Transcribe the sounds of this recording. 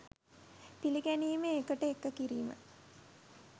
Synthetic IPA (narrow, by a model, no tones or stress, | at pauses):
piliɡæniːmeːkəʈəekːəkiɾiːmə̰